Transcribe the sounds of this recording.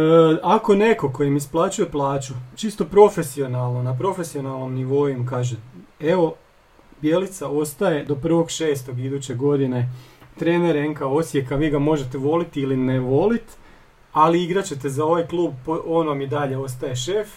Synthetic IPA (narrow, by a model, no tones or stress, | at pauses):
ako̞ne̞ko̞ko̞jimisplˠaːt͡ɕuje̞plˠaːt͡ʃut͡ʃist̪o̞pɾo̞fe̞sio̞nalˠnonapɾo̞fe̞sio̞nalˠno̞mniʋo̞jumkaːʒeeʋo̞ | bje̞lit̪sao̞st̪aje̞d̪o̞pr̩ʋo̞ɡʃe̞ːst̪o̞ɡid̪uːt͡ɕe̞ɡo̞d̪ine̞t̪ɾe̞ːneɾeŋkao̞sje̞kaʋiːɡamo̞ʒe̞t̪eʋo̞lit̪ilineʋo̞lit̪ | aliiɡɾat͡ɕe̞t̪e̞zao̞ʋajklˠuːb̚poʔonomid̪aʎe̞o̞s̬t̪aje̞ʃe̞f